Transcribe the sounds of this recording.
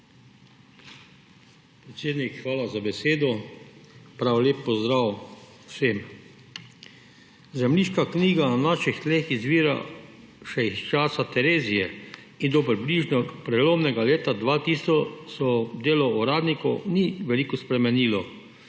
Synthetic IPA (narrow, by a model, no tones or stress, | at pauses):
pɾɛt̪seːd̪nikxʋaːlazabɛseːd̪ɔ | pɾaːwleːpːɔzd̪ɾaːw | wsem | zɛmliʃkakniːɡananaːʃixt̪leːxizʋiːɾa̰ | ʃɛist͡ʃaːsat̪ɛɾeːzijɛ | ind̪ɔpɾibliʒnɔpɾɛloːmnɛɡaleːt̪ad̪ʋat̪isɔsɔd̪eːlɔuɾaːd̪nikɔwniʋɛlikɔspɾɛmɛniːlɔ